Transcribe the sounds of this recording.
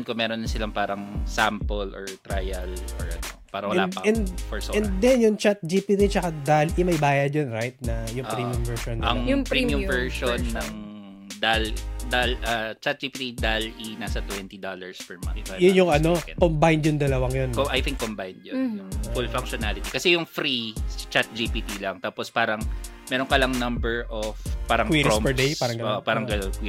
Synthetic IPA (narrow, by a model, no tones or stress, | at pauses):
nkomɛːɾonlɐnsɪlaŋpaːɾɐŋsampolʔɔɹt̪ɾajɐlɔɹʔɐ̰nopaːɾɐwɐlaːd̪pɐɛnd̪fɔɹsoɛnd̪ɛnjʊŋt͡ʃat̪̚d͡ʒipit̪it͡ʃɐkad̪alʔɪmɐjbaːjɐd̪̚jonɾajt̪̚nɐjʊŋpɾiːmiʊmvɛɹʃonːɐŋjʊpɾimʊmvɛɹʃonːɐŋ | d̪ald̪alʔɐt͡ʃat̪̚d͡ʒipit̪id̪alʔinaːsɐt̪wɛnt̪id̪olɐɹspɛɹmɐ̰ɪbajʊnjʊŋɐnokɛ̰kombajnd̪jʊnd̪ɐlɐwɐŋjonkoʔɐjt̪iŋkːombajnd̪jonjʊŋfulfɐŋkʃonalɪt̪ikɐsɛjʊŋfɾit͡ʃat̪̚d͡ʒipit̪ilɐŋt̪aːpospaːɾɐŋmɛːɾoŋkɐlɐŋnɐmbɛɹʔofpaːɾɐŋwiɾompɛɹd̪eaɾɐ̃ŋɡɐoːʔopaːɾɐŋɡɐkwi